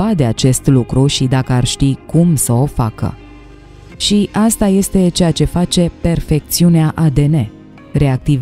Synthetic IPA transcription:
ad̪e̞at͡ʃe̞st̪lukɾuʃid̪akəarʃt̪ikumsəo̞fakə̰ | ʃiʔast̪aje̞st̪e̞t͡ʃe̞jat͡ʃe̞fat͡ʃe̞pe̞rfe̞k̚t̪siuneaʔad̪e̞ne̞ | ɾe̞ak̚t̪iv

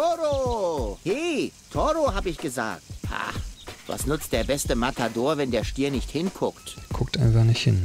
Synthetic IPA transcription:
toʁoheːtʰɔʁoɦaːbəɪçɡ̥əza̰ːk̚tha̰va̰snʏt͡st̚d̥eːɐbɛstəmatʰadoːɐvɛndeːɐʃtiːɐnɪçthɪnkʰʊktkʰʊk̚tʔaɪnfaχnɪçthɪn

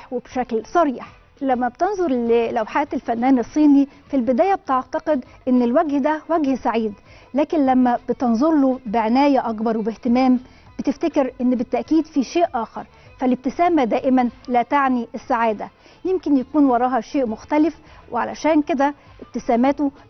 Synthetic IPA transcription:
webʃæklsˤɑɾiːħ | læmːæbt̪enzˤoɾˤllæwħaːt̪elfænːæːnesˤːiːnifilbɪd̪æːjæbet̪eʕt̪ɑqed̪ʔenːelwæɡhd̪æwæɡhsaʕiːd̪ | læːkenlæmːæb̥et̪enzˤoɾlobɪʕenæːjæʔɑkbɑɾˤwebeht̪emæːm | bet̪eft̪ækeɾʔenːbɪt̪ːæʔkiːd̪fiʃeːʔʔɑːxɑɾˤ | fælɪb̚t̪ɪsæːmæd̪æːʔɪmænlæːt̪aʕniʔesːaʕaːd̪æ | jemkenjækuːnwɑɾˤɑːhɑʃeːʔmʊxt̪ælɪfwʔeʕalæʃæːnked̪æ | ʔeb̚t̪ɪsæːmæːt̪o

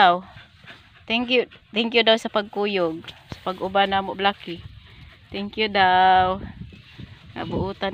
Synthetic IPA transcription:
aw | t̪ɛŋkjut̪ɛŋkjudawsapaɡ̚kujʊɡ̚ | sḁpaɡubanamʊʔblakit̪ɛŋkjudaw | ŋa̰buʔʊt̪an

